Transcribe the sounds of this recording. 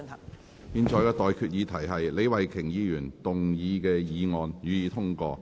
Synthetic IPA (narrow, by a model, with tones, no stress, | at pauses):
piː˧nt͡ʃʰɔː˨˥jkɛː˧t̪ɔː˨jkʰyː˧t̚jiː˨˧˥t̪ʰɐ˨˩jɦɐ˨jle˨˧jwɐ˨jkʰɪ˨˩ŋjiː˨˧jyː˨˩nt̪ʊ˨ŋjiː˨˧kɛː˧jiː˨˧ŋɔː˨˧njyː˨˧jiː˨˧t̪ʰʊ˥ŋkɔː˧